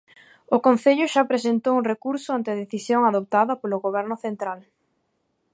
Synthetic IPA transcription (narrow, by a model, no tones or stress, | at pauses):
ʊkõn̟θeʎʊʃapɾesent̪owuŋrekuɾsʊant̪ɪaðeθisjoŋaðop̚t̪aðɐpolʊɣoβ̞ɛɾnʊθent̪ɾal